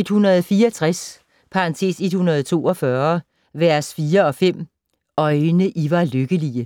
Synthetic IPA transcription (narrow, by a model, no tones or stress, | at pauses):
e̝d̥hunɐð̞̩ˠfiːɐɒt͡sʰʁas | pʰɑ̈ɑnt͡sʰe̝̰ːse̝d̥hunɐð̞̩ˠt͡sʰo̝̰ːɒ̽fɶɐ | ʋæɐ̰sfiːɐɒ̽fem̰ | ɒ̽ɪnəʔiʋɑ̈løɡ̥əliə